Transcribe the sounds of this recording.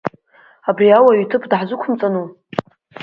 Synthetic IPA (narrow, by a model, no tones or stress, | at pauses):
abriawaɥtʰɨpʰdħzʊkʷʰʊmt͡sʼanu